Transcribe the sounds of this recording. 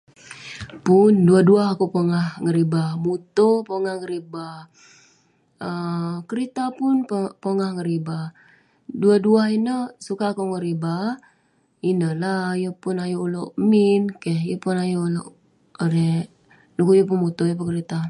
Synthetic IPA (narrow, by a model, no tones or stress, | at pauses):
pʊnduaduaɦakupoŋahŋəɾibamut̪opoŋahŋəɾiba | əkəɾit̪apʊnppoŋahŋəɾiba | duaduahinəsukaːkuŋəɾiba | inəlajəpʊnajuloʔminkehjəpʊnajuloʔ | əɾe | dukujəp̬ʊnmut̪ojəp̬unkəɾit̪a